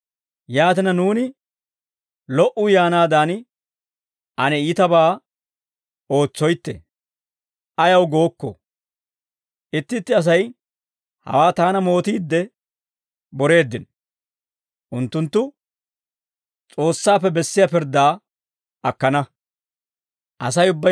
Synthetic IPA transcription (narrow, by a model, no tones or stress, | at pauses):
jaːt̪ɪnɐnuːnɪ | lɔʔʊjaːnaːd̪aːn | ʔɐnɛiːt̪ɐbaː | o̞ːt͡sːɔjt̪ːɛ̰ | ɐjɐwɡo̞ːkːɔ̰ | ʔɪt̪ːɪt̪ːɪɐs̬ɐj | hɐ̰waːt̪aːnɐmo̞ːt̪iːd̪ːɛ | bɔɾe̞ːd̪ːɪn | ʔʊnt̪ːʊnt̪ːʊ | t͡sʼo̞ːsːaːpːɛbɛsːɪjaːpɪɾd̪ːaː | ɐkːɐnɐ | ʔɐs̬ɐjʊbːɐ